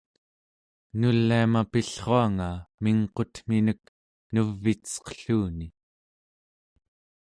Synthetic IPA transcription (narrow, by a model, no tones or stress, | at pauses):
nulːiamapiɬχoaŋamiŋqo̞t̪m̥inək̚ | nuvːit̪t͡sʌ̥qə̥ɬuːni